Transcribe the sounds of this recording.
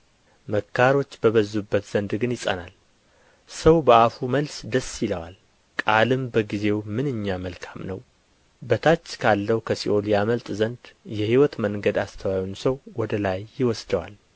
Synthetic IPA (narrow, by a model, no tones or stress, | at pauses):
məkʰːaɾo̞t͡ʃːbəβəzːubːət̪z̥ənd̪ɡɨnjɪsʼə̰nal | səwbəafuməlsd̪əsːjɪləwa̰l | kʼalɨmbəɡize̞wmɨnɨɲːaməlkʰamnəw | bət̪ʰat͡ʃːkʰalːəwkʰəsiʔoljaməlt̪ʼzənd̪jɛhiwɔt̪məŋɡəd̪ast̪ʰəwajunsəwwɔd̪əlajːɪwɔsd̪əwa̰l